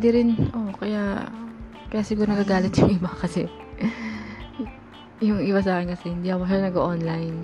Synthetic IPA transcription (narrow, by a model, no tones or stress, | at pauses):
pd̪ɪɾɪnʔokɐjaʔ | kɐjaʔsɪɡuːɾonɐɡaɡaːlɪt̪jʊŋʔɪbakɐsɛ̰ | jʊŋʔɪbas̬aːkɪnkɐsɛhɪnd̪iːʔɐkoʃɐːnɐɡoʔonlɐjn